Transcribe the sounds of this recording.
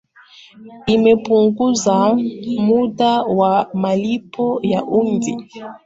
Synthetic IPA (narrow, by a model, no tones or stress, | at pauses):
imɛpuŋɡuzamuɗawamalipʰɔjaʔundi